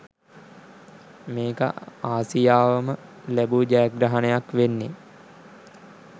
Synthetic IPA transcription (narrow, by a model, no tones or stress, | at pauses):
meːkə̰aːsijaːʋəməlæbud͡ʒæɡɾaɦanejakʋenːe